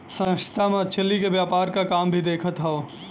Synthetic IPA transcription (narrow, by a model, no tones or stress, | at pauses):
sə̃kt̪ʰamẽt͡ʃʰəlːikeʋjaːpaːɾkakaːmbʱid̪eːkʰət̪ɦɛo